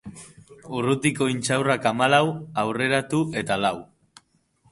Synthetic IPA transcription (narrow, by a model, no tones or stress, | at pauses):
urut̪iko̞int͡sawrakamalawawre̞ɾat̪uʔe̞t̪alaw